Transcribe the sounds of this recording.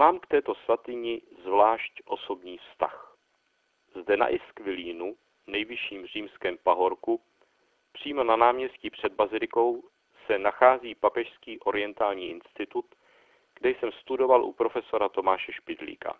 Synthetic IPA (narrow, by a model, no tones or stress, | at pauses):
maːmkt̪ɛːt̪o̞svat̪ɪɲɪzvlaːʃcʔo̞so̞bɲiːfst̪a̰x | zdɛna̰ʔɪskvɪliːnu | nɛjvɪʃiːmr̝iːmskɛːmpaɦo̞ɾku | pr̝̥iːmo̞nanaːmɲɛsciːpr̝̥ɛd̪̚bazɪlɪko̞w | sɛnaxaːziːpapɛʃskiːʔo̞ɾɪjɛnt̪aːlɲiːʔɪnst̪ɪt̪ut̪ | ɡ̥dɛjsɛmst̪udo̞valʔṵpɾo̞fɛso̞ɾat̪o̞maːʃɛʃpɪd̪lḭːka̰